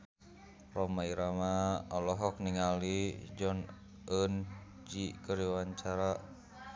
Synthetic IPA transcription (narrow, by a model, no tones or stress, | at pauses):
rɔmaiɾamaɔlɔɦɔk̚niŋalid͡ʒɔn | ʔən | d͡ʒikəɾiwaɲt͡ʃaɾa